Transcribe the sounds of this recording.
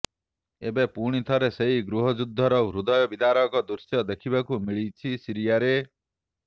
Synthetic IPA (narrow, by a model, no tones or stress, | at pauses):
ebepuɽ̃it̪ʰɔɾeseɦiɡɾuɦɔd͡ʒud̪ʱːɔɾɔɾud̪ɔjɔbid̪ʱaɾɔkɔd̪uɾsjɔd̪ekʰibakumiɭit͡ʃʰisiɾijaɾe